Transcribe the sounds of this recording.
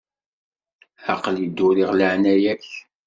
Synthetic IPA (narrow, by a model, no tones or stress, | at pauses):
ɑ̰qəlid̪ːʊɾiʁləʕnæjæç